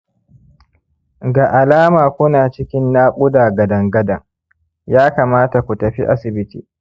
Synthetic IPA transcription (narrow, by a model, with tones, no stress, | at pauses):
ɡa˨ʔa˨laː˦maː˨kʷʊ˦naː˨t͡ʃɪ˦kʲɪ˦nːaː˦kʷʼʊ˦daː˨ɡɐ˨dɐ˨ŋɡɐ˦dɐ˨ŋ | jaː˦kaː˨maː˦ta˨kʷu˨tɐ˨ɸḭ˦ʔa˦sɪ˨bɪ˦tḭː˨